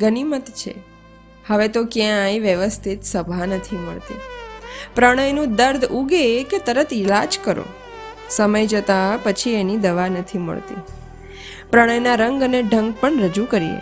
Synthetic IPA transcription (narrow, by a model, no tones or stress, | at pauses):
ɡənimət̪t͡ʃʰḛ | həʋet̪okjãjʋjəʋəst̪ʰit̪səbʱanət̪ʰiməɭt̪ḭ | pɾəɽ̃əjnũd̪əɾd̪ʱuɡeket̪əɾət̪ʰɪlad͡ʒkəɾo̰ | səməjd͡ʒət̪apət͡ʃʰienid̪əʋanət̪ʰimə̰ɭt̪ḭ | pɾəɽ̃əjnaɾəŋɡəneɖʱəŋɡ̚pəɳɾəd͡ʒukəɾiḛ